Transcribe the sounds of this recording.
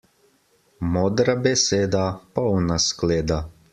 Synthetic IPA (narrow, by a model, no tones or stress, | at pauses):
mɔd̪ɾabʲesʲeːd̪apɔwnasklʲeːd̪a